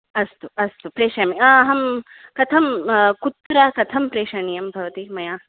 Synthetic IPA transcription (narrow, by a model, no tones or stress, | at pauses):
ɐst̪uɐst̪upɾeːʃɐjɐmiɐɐɦɐm | kɐt̪ʰɐmkut̪ɾakɐt̪ʰɐmpɾeːʃɐɳijɐmbʱɐʋɐt̪imɐjaː